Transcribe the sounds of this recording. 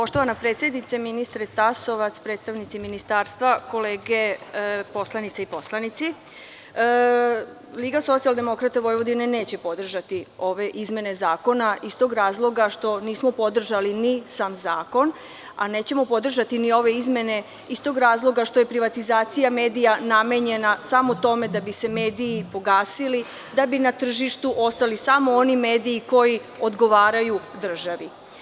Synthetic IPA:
po̞ʃt̪oʋanapɾet̪sjed̪nit̪seminist̪ɾet̪aso̞ʋat̪spɾedt̪st̪aʋnit̪siminist̪aːɾst̪ʋako̞leːɡepo̞slˠanit̪seipo̞slˠanit̪si | liːɡaso̞t̪sialˠd̪e̞mo̞kɾat̪eʋo̞jʋo̞d̪ine̞ne̞ːt͡ɕe̞po̞d̪r̩ʒat̪io̞ʋe̞ʔizme̞ne̞zaːko̞naist̪o̞ːɡɾaːzlˠo̞ɡaʃt̪o̞niːsmopo̞d̪r̩ʒalinisaːmzaːko̞n | a̰ne̞ːt͡ɕe̞mo̞po̞d̪r̩ʒat̪inio̞ʋe̞izmje̞ne̞ | ist̪o̞ɡɾaːzlˠo̞ɡaʃt̪o̞je̞pɾiʋat̪izaːt̪sijame̞ːd̪ijaname̞ɲe̞nasamot̪o̞me̞d̪abise̞me̞ːd̪iːpo̞ɡaːsili | d̪abinat̪r̩ʒiʃt̪uʔo̞st̪alisamo̞o̞nime̞ːd̪iːko̞ji | o̞d̪ɡo̞ʋaːɾajud̪r̩ʒaʋi

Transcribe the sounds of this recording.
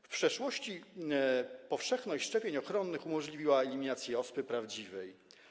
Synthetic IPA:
fpʂɛʂwɔɕt͡ɕi | pɔfʂɛxnɔɕt͡ɕʂt͡ʂɛpʲjeɲɔxɾɔnːɘxumɔʐlʲivʲiwaɛlʲimʲinat̪sʲjɛɔspɘpɾavd͡ʑivɛj

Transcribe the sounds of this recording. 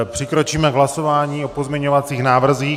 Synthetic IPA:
pr̝̥ɪkɾo̞t͡ʃiːmɛɡɦlaso̞vaːɲiːʔopozmɲɛɲovat͡siːxnaːvr̩ziː

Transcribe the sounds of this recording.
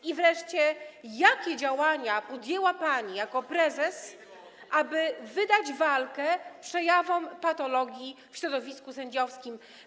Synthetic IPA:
ivɾɛʂt͡ɕɛjakʲɛd͡ʑawaɲapɔd̪jɛwapaɲijakɔpɾɛzɛs | ʔabɘvɘd̪ad͡ʑvalkɛpʂɛjavɔmpat̪ɔlɔɡʲjifɕɾɔd̪ɔvʲiskusɛɲd͡ʑɔfskʲim

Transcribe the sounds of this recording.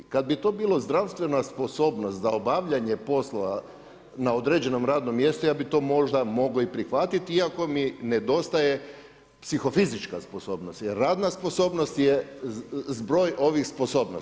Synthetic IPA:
kad̪̚bit̪o̞ːbiːlˠozd̪ɾawst̪ʋe̞naspo̞so̞ːbnost̪zaobaʋʎaɲe̞po̞slˠoʋa | naod̪ɾe̞d͡ʑe̞no̞mɾaːd̪no̞mje̞st̪ujaːbit̪o̞ːmo̞ʒd̪amo̞ɡoipɾixʋat̪it̪iiako̞mined̪o̞st̪aje̞ | psixo̞fizit͡ʃkaspo̞so̞ːbnost̪jeɾːaːd̪naspo̞so̞ːbno̞st̪je | zbɾo̞ːjʔo̞ʋixspo̞so̞ːbno

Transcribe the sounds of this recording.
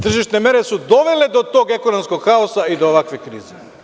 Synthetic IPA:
t̪r̩ʒiʃnɛmɛɾɛsud̪ɔvɛlɛd̪ɔt̪oɡɛkɔnɔmskokxaɔsaid̪oːvakvɛkɾḭzi

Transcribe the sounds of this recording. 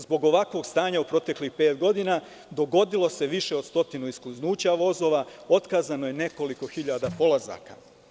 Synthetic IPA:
zbo̞ɡo̞ʋakʋo̞ɡst̪aːɲaupɾo̞t̪e̞klixpe̞ːt̪ɡo̞d̪ina | d̪o̞ɡo̞d̪ilˠo̞se̞ʋiʃe̞od̪st̪o̞t̪inuiskluznuːt͡ɕaʋo̞zo̞ːʋao̞t̪kaːzano̞je̞ne̞ko̞liko̞xiʎad̪apo̞lˠaza̰ka̰

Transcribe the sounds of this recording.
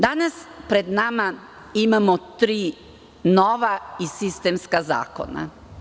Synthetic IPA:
d̪anaspɾe̞d̪nama | imamot̪ɾiː | noʋaisist̪emskaza̰ːko̰na̰

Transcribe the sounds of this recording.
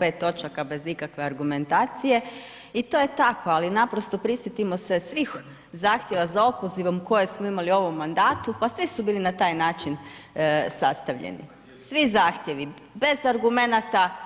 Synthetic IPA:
pe̞ːt̪ːo̞t͡ʃakabe̞zikakʋe̞aɾɡume̞nt̪aːt̪sije̞ | it̪o̞je̞t̪akʰo̞alinapɾo̞st̪o̞pɾisjet̪imo̞se̞sʋix | zaːxt̪jeʋazao̞po̞ziʋo̞mko̞je̞smoimalio̞ʋo̞mːand̪aːt̪upasʋisubiːlinat̪aːjnaːt͡ʃin | sast̪aʋʎḛnḭ | sʋizaːxt̪je̞ʋi | be̞zaɾɡume̞nat̪a

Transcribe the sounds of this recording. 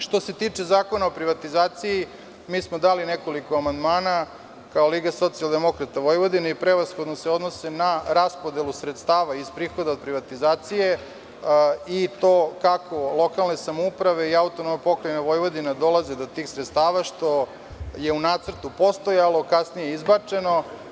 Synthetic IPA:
ʃt̪o̞se̞t̪iːt͡ʂe̞zaːko̞naopɾiʋat̪izaːt̪siji | miːsmo̞d̪alineko̞likoamand̪maːna | kaoliːɡaso̞t̪sijalˠd̪e̞mo̞kɾat̪aʋo̞jʋo̞d̪ineipɾeʋasxo̞d̪noseo̞d̪no̞se̞naɾaspod̪e̞lusɾet̪st̪aːʋaispɾiːxo̞d̪aod̪̚pɾiʋat̪izaːt̪sije | it̪oːkakʰo̞lˠo̞kalˠne̞samoupɾaʋe̞iaut̪onomnopo̞kɾajenaʋo̞jʋo̞d̪inad̪o̞lˠazed̪o̞t̪iːxsɾet̪st̪aːʋaʃt̪o̞ | je̞unaːt̪sr̩t̪upo̞st̪o̞jalo̞kasnijeizbat͡ʂe̞no̞

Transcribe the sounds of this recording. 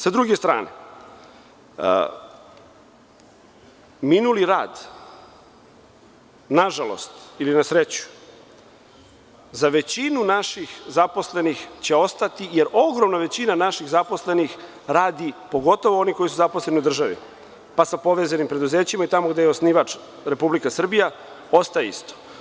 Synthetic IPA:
sad̪ɾuɡest̪ɾa̰ːnḛ | minuliɾa̰ːd̪ | naʒalo̞̰st̪ilinasɾet͡ɕu̥ | zaʋe̞t͡ɕinunaʃixzapo̞sle̞nixt͡ɕeo̞st̪at̪ije̞ɾʔo̞ɡɾo̞mnaʋe̞t͡ɕinanaʃiɣzapo̞sle̞nix | ɾaːd̪ipo̞ɡo̞t̪o̞ʋoo̞niko̞jisuzapo̞sle̞niud̪r̩ʒaʋḭ | pasapo̞ʋezanimpɾe̞d̪uze̞ːt͡ɕimait̪amoɡd̪ejeosniʋat͡ʂ | ɾe̞publikasr̩bija | o̞st̪aje̞ḭst̪o̥

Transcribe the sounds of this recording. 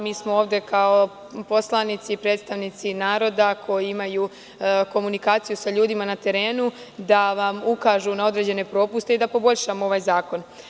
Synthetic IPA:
miːsmoo̞ːʋd̪e̞kao̞ | po̞slˠanit̪siːpɾe̞ːd̪st̪aʋnit̪sinaːɾo̞d̪akʰo̞jiimaju | ko̞munikaːt̪sijusaʎuːd̪imanat̪e̞ɾe̞ːnud̪aʋamukaːʒunao̞d̪ɾe̞d͡ʑe̞ne̞pɾo̞ːpust̪e̞id̪apo̞bo̞ʎʃamoo̞ʋaːjzaːko̞n

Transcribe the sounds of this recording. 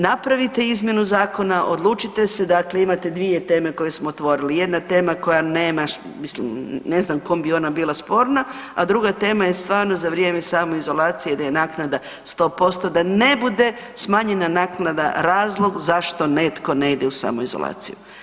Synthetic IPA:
napɾaʋit̪e̞izmʲje̞nuzaːko̞naʔo̞d̪lˠuːt͡ʃit̪e̞se̞d̪akleimat̪e̞d̪ʋie̞t̪e̞ːme̞ko̞jesmoot̪ʋo̞ɾilije̞d̪nat̪e̞ːmako̞janeːma | mislḭmne̞znamko̞mbio̞nabiːlˠaspo̞ːɾna | ad̪ɾuɡat̪e̞ːmaje̞st̪ʋaːɾno̞zaʋɾjemesaːmoizo̞laːt̪sijed̪ajenaːknad̪a | st̪o̞ːpo̞st̪o̞d̪ane̞bud̪e̞ | smaːɲe̞nanaːknad̪a̰ɾaːzlˠo̞ɡzaʃt̪o̞ne̞t̪ko̞neid̪e̞usa̰ːmoizo̰lˠa̰ːt̪sḭju

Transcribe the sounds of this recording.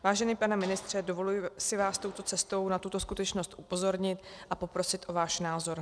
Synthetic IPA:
vaːʒɛniːpanɛmɪnɪst̪r̝̥ɛdo̞vo̞lujɪsɪvaːst̪o̞wt̪o̞t͡sɛst̪o̞wnat̪ut̪o̞skut̪ɛt͡ʃnost̪ʔupo̞zo̞ɾɲɪt̪ʔapo̞pɾo̞sɪt̪ʔo̞vaːʃnaːzo̞ɾ

